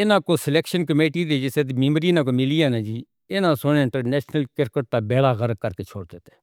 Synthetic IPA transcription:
ɪnãːkoːsɪleːkʃənkəmeːʈiːd̪eːd͡ʒɪseːt̪ːmeːmɾiːnãːkoːmɪlijaːnãːd͡ʒiː | ɪnãːsonɪɳʈənɛːʃnəlkɪɾkəʈ̚t̪aːbɛːɽaːɣəɾəkəɾkeːt͡ʃʰoːɽd̪eːt̪e̥ː

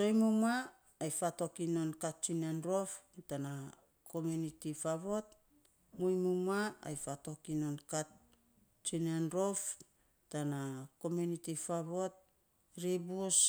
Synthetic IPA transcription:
so̞jmumaː | jfato̞kinonkat̚t͡ʃinanɾoftana | kʰo̞mjunitifaβo̞t | mujmumaa̰jfato̞kinonkat̚ | t͡ʃinanɾof | tanako̞mjunitifaβo̞t̚ | ɾibus

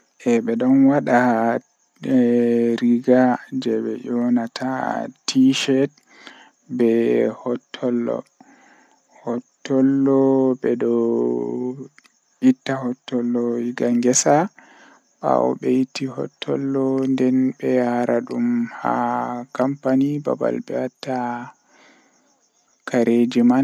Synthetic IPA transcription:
ʔɛɓɛɗɔnwaɗa | ɾiɡad͡ʒɛbɛ̰jɔnatʰa̰tʰiʃɛt | bɛhɔtʰːɔlːɔ̰ | hɔtːɔlːɔbɛdɔ | itːahɔtːɔlːɔiɡaŋɡɛsa | ɓa̰wɔ̰ɓɛjitːihɔ̰tʰːɔ̰lːɔndɛnbɛjaɾaɗumha̰kampaniba̰ba̰lbɛatːa | kaɾʔed͡ʒiman

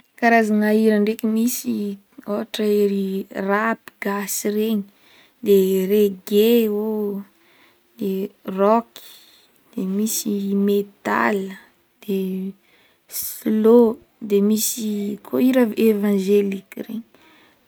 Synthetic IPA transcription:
kaɾazaŋaiɾaɳɖ͡ʐekimisi | oaʈ͡ʂaeɾirapiɡasireɲi | d̪ereɡeo | d̪̥erɔki̥ | d̪̥emisimet̪a̰l | d̪̥e | slo | d̪emisikʰoiɾavʔevãʒelikireɲi̥

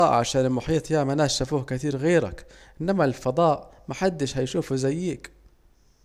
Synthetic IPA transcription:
ɑːʔʕaʃaːnɪlmʊħiːt̪ˤjaːmanaːʃafuːhkɪt̪iːɾɣeːɾa̰kʔɪnːamalfɑd̪ˤɑːʔmaħad̪ːɪʃhajʃuːfuzajːiːk

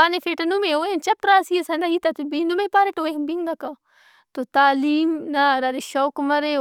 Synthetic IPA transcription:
anefeʈɐnumẽoent͡ʃɐp̚ɾaːsiesɐnd̪ɐɦit̪ɐt̪ubind̪umepaɾeʈoːeɦbiŋɡɐka | t̪ot̪aːliːmnaɾɐɾeʃowkmɐɾe

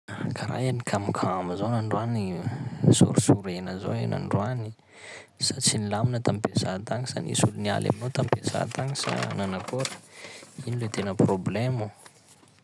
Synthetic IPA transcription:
kʰaɾa̰janikʰamukʰaamizonaɳɖ͡ʐuanisṵɾusuɾenəzo̰enʔa̰ɳɖ͡ʐuani̥ | sat͡sinilaminət̪ampesat̪aŋisa̰nḭsulunia̰lʔa̰minot̪ampesa̰t̪aŋisa̰nanakoɾə̥inilet̪enəproblemu

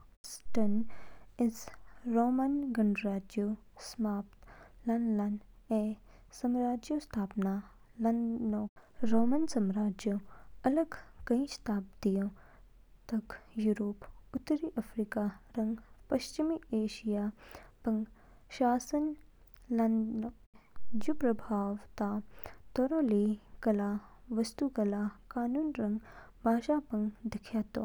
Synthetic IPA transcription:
sʈɐnɪsɾoːmɐnɡɐɳɖɾaːd͡ʒjoː | smaːpt̪lɐnlɐneː | sɐmɾaːd͡ʒjost̪ʰaːpnaː | lɐnoːɾoːmənsɐmɾaːd͡ʒjoɐləɡkɐĩst̪ʰaːp̚d̪ijõː | t̪ɐkjuːɾoːput̪ːɐɾiʔɐfɾikaɾɐŋɡpɐʃt͡ʃimieːʃijaːpɐŋɡ | ʃaːsɐn | lɐnd̪no | d͡ʒupɾɐbʱaːʋt̪aːt̪oɾõːliːkɐlaːʋɐst̪ukɐlaːkaːnuːnɾɐŋɡbʱaːʃaːpɐŋɡd̪ikʰjaːt̪o̰ː

